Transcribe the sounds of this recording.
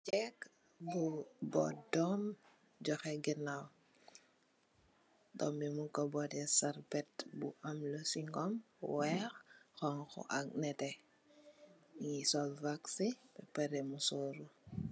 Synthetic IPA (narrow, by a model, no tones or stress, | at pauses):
t͡ʃɛk | bubɔ̰dɔm | d͡ʒɔxɛɡinaw | dɔmimuŋkɔbɔdɛsaɾpɛtbṵʔamlɔsiŋɡɔm | wɛxxɔŋxɔ̰ʔaknɛtɛ | ŋisɔlvaksipɛpɛɾɛmusɔːɾu